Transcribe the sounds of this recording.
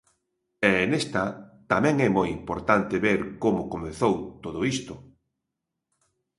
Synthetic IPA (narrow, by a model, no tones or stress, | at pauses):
ɛnest̪at̪amɛ̃ŋɛmojimpoɾt̪ant̪eβeɾkomʊkomeθowt̪oðʊist̪ʊ